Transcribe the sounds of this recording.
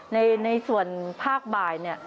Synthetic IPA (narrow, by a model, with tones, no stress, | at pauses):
na˧jna˧jsu˨˩ənpʰaː˥˩k̚baː˨˩jni˦˥˩ə